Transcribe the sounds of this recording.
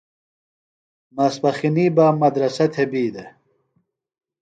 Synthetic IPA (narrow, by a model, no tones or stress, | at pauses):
mɐspɐxiniːbaːmɐd̪ɾɐsɐt̪ʰebiːd̪e